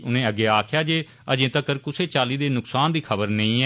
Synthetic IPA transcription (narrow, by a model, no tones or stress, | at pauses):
ʊnẽːəɡːeːaːkʰjaːd͡ʒeː | əd͡ʒẽːt̪əkəɾkʊseːt͡ʃaːliːd̪eːnʊksaːnd̪iːkʰəbəɾnə̃ĩːɛː